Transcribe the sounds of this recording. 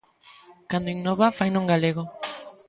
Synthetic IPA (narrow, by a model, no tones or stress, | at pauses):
kand̪oiŋnoβafajnũŋɡaleɣo